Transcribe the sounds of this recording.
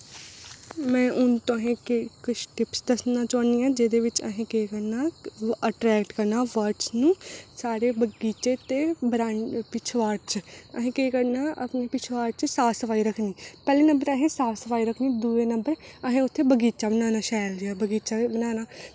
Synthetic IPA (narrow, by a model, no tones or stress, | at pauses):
mɛ̃ːʔʊnt̪õəɦẽːkkʊt͡ʃʰʈɪpsd̪əsnaːt͡ʃɔːniːãːd͡ʒed̪eːʋɪt͡ʃə̰ɦẽːkeːkəɾnaːəʈɾɛːkʈkəɾnaːʋəɾʈsnũːsaːɾeːbəɡiːt͡ʃeːt̪eːbɾaːpɪt͡ʃʰʋaːɖt͡ʃəɦẽːkeːkəɾnaːʔəpneːpɪt͡ʃʰʋaːɾt͡ʃsaːsəfaːiːɾəkʰniːpɛːleːnə̃mbəɾəɦẽːsaːfsəfaːiːɾəkʰniːd̪uːeːnəmbəɾəɦẽːʊt̪ʰːeːbəɡiːt͡ʃaːbənaːnaːʃɛːldɪaːbəɡiːt͡ʃaːbənaːnaː